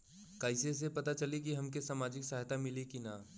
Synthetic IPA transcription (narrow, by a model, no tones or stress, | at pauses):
kaːɪses̬epɐt̪at͡ʃɐlik̬iɦɐmkesaːmaːd͡ʒɪksaɦt̪amɪlikina